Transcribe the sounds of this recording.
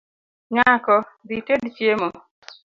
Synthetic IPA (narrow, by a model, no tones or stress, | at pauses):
ɲakɔditedt͡ʃjemɔ